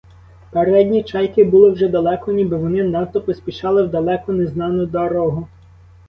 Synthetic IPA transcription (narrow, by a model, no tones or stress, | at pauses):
peɾɛdʲnʲit͡ʃɑjkɪbʊlˠɪwʒɛd̪ɐlˠɛkɔnʲibɪʋɔnɪnɑt̪ɔpɔsʲpʲiʃɑlˠɪwd̪ɐlˠɛkɔneznɑnʊd̪ɐɾɔɦʊ